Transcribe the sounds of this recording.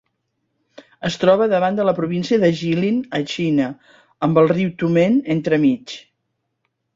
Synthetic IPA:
əst̪ɾɔβəðəβand̪ələpɾuβ̞insiəðəʒilinət͡ʃinə | əmbəlˠriwt̪umenent̪ɾəmit͡ʃ

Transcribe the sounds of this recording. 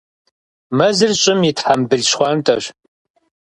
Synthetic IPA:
mɐzɨrɕʼɪmitħambɨɮɕχʷɑːntʰʼɐɕ

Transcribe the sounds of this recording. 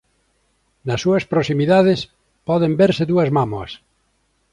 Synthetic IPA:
nɐsːuɐspɾosimiðaðes | pɔðembeɾseðuɐzmamoɐ̰s

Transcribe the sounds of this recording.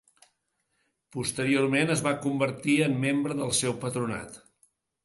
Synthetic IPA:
pust̪əɾiormenəzβakumbəɾt̪iəmːembɾəðəlˠsɛwpət̪ɾuna̰t̪

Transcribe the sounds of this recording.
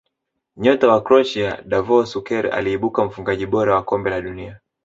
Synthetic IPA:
ɲɔtawakɾɔt͡ʃiaɗavɔsukɛɾa̰liːɓukam̩fuŋɡaʄiɓɔɾawakɔmbɛlaɗunia

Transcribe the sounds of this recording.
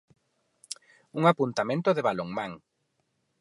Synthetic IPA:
uŋapunt̪amẽnt̪ʊðeβaloŋmãŋ

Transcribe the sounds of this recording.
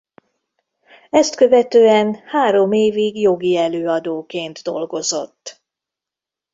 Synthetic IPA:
ɛst̪kø̞vɛt̪øːɛnhaːɾo̞meːviɡjo̞ɡiɛløːɒd̪oːkeːnd̪d̪o̞̰lɡo̞zo̞t̪ː

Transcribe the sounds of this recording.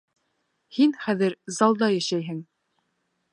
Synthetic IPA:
hinχæðɘɾzɑlˠd̪ɑjæʃæjɦɘŋ

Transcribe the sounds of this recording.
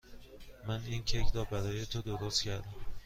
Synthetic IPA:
mæniːncʰekʰɾɒːbæɾɒːje̞t̪ʰod̪oɾost̪cʰæɾd̪æm

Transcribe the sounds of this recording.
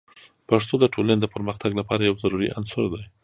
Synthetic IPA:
paʂt̪od̪əʈʰolaned̪əpəɾməxt̪aɡlapɑɾajawzaɾuɾḭʔa̰nsʊɾd̪aj

